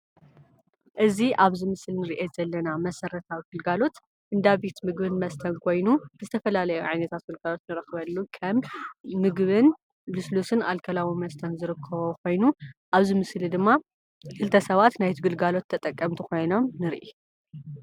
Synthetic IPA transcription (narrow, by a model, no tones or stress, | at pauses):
ʔɨziʔaβzɨmɨslnɨɾiʔezɐlːɐnamɐsɐɾɐt̪ʰawiɡɨlɡalo̞t̪ | ʔɨnd̪aβit̪mɨɡbɨnmɐst̪ʰɐnkʰo̞jnuzɨt̪ʰɐfɐlalɐjuʕajnɐt̪ʰat̪̚ɡɨlɡalo̞t̪nɨɾɐxβɐlːukʰɐmːɨɡβɨn | luslusɨna̰lkʰɐlawimɐst̪ʰɐnzɨɾɨkʰːɐβokʰo̞jnuʔaβzɨmɨslid̪ɨmːa | kʰɨlt̪ʰɐsɐβat̪najt̪ʰiɡɨlɡalo̞t̪ʰːɐt̪ʼɐkʼːɐmt̪ʰiko̞jno̞mnɨɾḭʔi